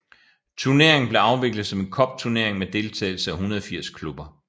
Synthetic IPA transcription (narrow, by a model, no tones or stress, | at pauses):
t͡sʰuɐne̝ɐ̰eŋn̩b̥le̝ɑ̈ʊʋe̝ɡ̥lð̩ˠsɒ̽me̝nkʰɒ̽b̥̚t͡sʰuɐne̝ɐeŋmed̥e̝lt͡sʰɛ̰ːɪl̩səæɦunɐð̞ˠfiɐ̰skʰlub̥ɐ